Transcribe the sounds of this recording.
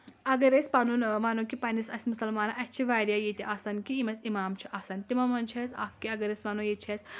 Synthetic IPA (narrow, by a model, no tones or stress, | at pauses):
ɐɡɐɾesʲpɐnunʋaːnoːkipɐnisɐsʲmʊsɐlmaːnaʔɐt͡ʃʰiʋaːɾijaːjit̪iʔaːsankiimɐsimaːmt͡ʃʰu̥ʔaːsant̪imɐmɐnt͡ʃʰɐsʲa̰ːfkiɐɡɐɾesʋanoːjet͡ʃʰɐs